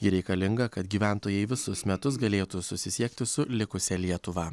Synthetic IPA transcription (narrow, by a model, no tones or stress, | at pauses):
jɪɾʲɛɪkɐlʲɪŋɡɐkɐt̪ɡʲiːʋʲæˑnt̪oːjɛɪʋʲɪsʊsmʲɛt̪ʊs̬ɡɐlʲeːt̪usʊsʲɪsʲiɛkt̪ʲɪsʊlʲɪkʊsʲɛlʲiɛt̪ʊʋɐː